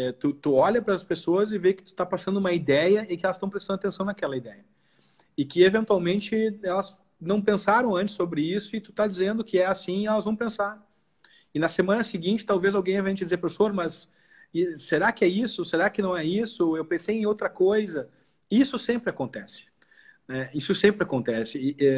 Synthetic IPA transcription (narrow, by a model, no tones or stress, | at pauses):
ɛt̪ut̪uɔʎɐpɾɐɐspesoɐzɪvekɪ̥t̪u̥t̪apasɐ̃nd̪ʊũmɐid̪ɛjɐẽkɪɛlɐst̪ɐ̃w̃pɾest̪ɐ̃nɐt̪ẽsɐ̃w̃nɐkɛlɐid̪ɛjɐ | ɪkɪevẽnt̪uawmẽnt͡ʃɪɛlɐs | nɐ̃w̃pẽsaɾɐ̃w̃ɐ̃nt͡ʃɪ̥sːobɾɪisʊɪt̪u̥t̪ad͡ʒizẽnd̪ʊkɪɛasĩɛlɐzvɐ̃w̃pẽsaɾ | ɪnɐsemɐ̃nɐsɪɡĩnt͡ʃɪ̥t̪awvezawɡẽj̃ẽvẽd͡ʒɪd͡ʒɪzeɾpɾesoɾmɐsː | eɾakɪɛisʊseɾakɪnɐ̃w̃ɛisʊewpẽsejẽj̃owt̪ɾɐkojzɐ | isʊsẽmpɾɪakõnt̪ɛsɪ̥ | nɛisʊsẽmpɾɪakõnt̪ɛsɪɛ